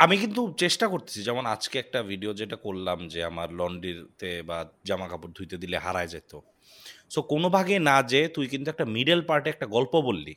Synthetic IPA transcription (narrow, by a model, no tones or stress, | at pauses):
amikint̪̬ut͡ɕeʃʈakoɾt̪i̥sʰid͡ʑɛmonad͡ʑkeɛk̚ʈabʱiɖiod͡ʑeʈakolːamd͡ʑea̰maɾlɔɳɖiɾt̪ebad͡ʑamakapuɾd̪ʱujt̪ed̪ileɦaɾaed͡ʑajt̪o | sokonobʱaɡenad͡ʑet̪ujkint̪uɛk̚ʈamiɖelpaɾʈeɛk̚ʈaɡɔlpobolːḭ